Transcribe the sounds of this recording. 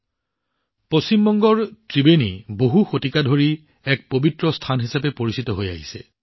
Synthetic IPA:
post͡ɕimbɔŋɡɔɹtɹibeniboɦuxotikadʱoɹi | ɛk̚pobitɹɔstʰanɦisapɛpoɹisitɔɦoja̰ɦisɛ̰

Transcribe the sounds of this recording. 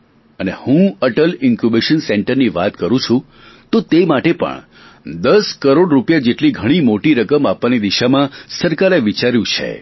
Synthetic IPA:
ənehũəʈəlɪŋkubeʃənseɳʈəɾniʋat̪kəɾũt͡ʃʰũ | t̪ot̪emaʈepə̰ɳ | d̪əskəɾoɽɾupjad͡ʒeʈliɡʱəɽ̃imoʈiɾəkəmapʋanid̪iʃamãsəɾkaɾeʋit͡ʃaɾjũt͡ʃʰḛ

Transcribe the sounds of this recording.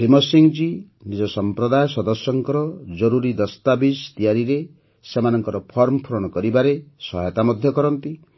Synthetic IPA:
pʰɾimɔsiŋd͡ʒi | nid͡ʒɔsɔmpɾɔd̪ajɔsɔd̪ɔsɔŋkɔɾɔd͡ʒɔɾuɾid̪ɔst̪abist̪ijaɾiɾe | semanɔŋkɔɾɔpʰɔɾmɔpʰuɾɔɽ̃ɔkɔɾibaɾesɔ̰ɦjɔt̪amɔd̪ʱjɔkɔɾɔnt̪i

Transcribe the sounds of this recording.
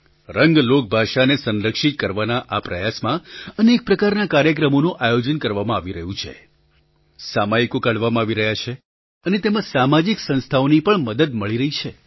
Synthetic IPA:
ɾəŋɡlok̚bʱaʃanesənɾəkʃit̪̚kəɾʋanaʔapɾəjasmãənek̚pɾəkaɾnakaɾjək̬ɾəmonũʔajod͡ʒənkəɾʋamãaʋiɾəɦũt͡ʃʰḛ | samajikokaɽʋamãaʋiɾəɦjat͡ʃʰe | ənet̪emãsamad͡ʒiksə̃nst̪ʰaonipəɳməd̪əd̪məɭiɾəɦit͡ʃʰe

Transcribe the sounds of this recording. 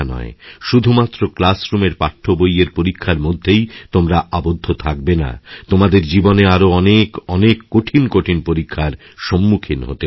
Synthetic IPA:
nɔ̰eʃud̪ʱumat̪ːɾoklasɾumeɾpaʈʰːobojeɾpoɾikʰːaɾmod̪ʱːejt̪omɾaʔabod̪ʱːot̪ʰak̚bena̰t̪omad̪eɾd͡ʑiboneaɾoɔnekɔnekːoʈʰinkoʈʰinpoɾikʰːaɾ | ʃɔmːukʰinɦo̰t̪e

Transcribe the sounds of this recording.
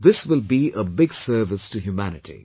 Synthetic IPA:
ðɪswɪlˠbiʔəbɪɡsɜ˞vɪstɨɦjumænɨtʰḭ

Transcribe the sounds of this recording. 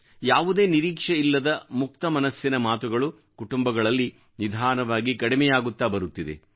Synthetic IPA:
jaːʋud̪e̞ːniɾiːkʂɐilːɐd̪ɐmuk̚t̪ɐmɐnɐsjinɐmaːt̪uɡɐɭu | kuʈumbɐɡɐɭɐlːi | nid̪ʱaːnɐʋaːɡikɐɽimɛjaːɡut̪ːaːbɐɾut̪ːid̪ḛ

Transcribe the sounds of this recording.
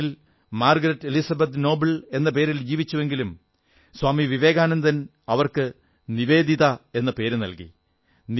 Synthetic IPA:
il | maːrɡɐɾɐtːelisɐbɐt̪no̞ːbɐle̞nːɐp̬e̞ːɾild͡ʑiːʋit͡ɕːuʋe̞ŋɡilum | swaːmiʋiʋe̞ːɡaːnɐnd̪ɐn | ɐʋɐrkɨ | niʋe̞ːd̪ʱiðɐe̞nːɐpe̞ːɾɨnɐ̰lkḭ | n

